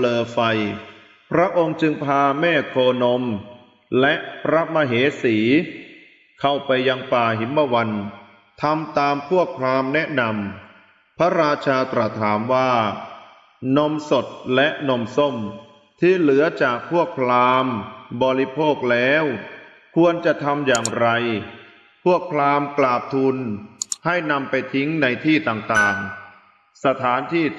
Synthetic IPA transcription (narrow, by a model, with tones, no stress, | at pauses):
lɤː˧fa˧j | pʰɾa˦˥ʔo˧ŋt͡ɕɯ˧ŋpʰaː˧mɛː˥˩kʰoː˧no˧m | lɛ˦˥ʔpʰɾa˦˥ma˧ɦeː˩˦siː˩˦ | kʰa˥˩wpa˧jːa˧ŋpaː˨˩ɦi˩˦nma˧wa˧n | t̪ʰa˧mt̪aː˧mpʰu˥˩ək̚pʰlaː˧mnɛ˦˥ʔna˧m | pʰa˦˥ɾaː˧t͡ɕʰaː˧t̪ɾa˨˩t̪ʰːaː˩˦mwaː˥˩ | no˧mso˨˩t̪̚lɛ˦˥ʔno˧mso˥˩m | t̪ʰiː˥˩lɯ˩˦ɐt͡ɕaː˨˩k̚pʰːu˥˩ək̚pʰlaː˧mbɔː˧ɾi˦˥pʰoː˥˩k̚lɛː˦˥w | kʰu˧ənt͡ɕa˨˩t̪ʰa˧mjaː˨˩ŋɾa˧j | pʰu˥˩ək̚pʰlaː˧mklaː˨˩p̚t̪ʰu˧nha˥˩jna˧mpa˧jt̪ʰi˦˥ŋna˧jt̪ʰiː˥˩t̪aː˨˩ŋt̪aː˨˩ŋ | sa˧t̪ʰaː˩˦nt̪ʰiː˥˩